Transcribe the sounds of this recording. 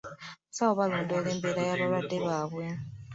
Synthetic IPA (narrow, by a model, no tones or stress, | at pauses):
sawoβalo̞ːndole̞ːmbelajaβalwadːe̞βaːβwe